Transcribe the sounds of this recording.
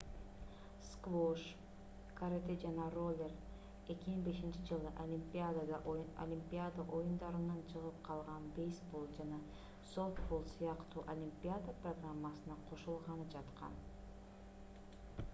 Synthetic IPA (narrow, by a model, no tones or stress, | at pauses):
skvoʃ | kaɾet̪ed͡ʒɑnɑro̞lʲer | e̞kʲimiŋbe̞ʃint͡ʃid͡ʒɯlˠɯʔɐlʲimpʲiad̪ad̪o̰lʲimpʲiad̪aʔo̞jund̪ɑɾɯnɑnt͡ʃʰɯʁɯp̚qʰɑlˠʁɑnbejsbo̞lˠd͡ʒanɑ | so̞t̪bolˠsijɑqt̪uːʔolʲimpʲijad̪aprɐɡramːasɯnɑqʰo̞ʃulˠʁɑnɯd͡ʒɑt̪qɑ̰n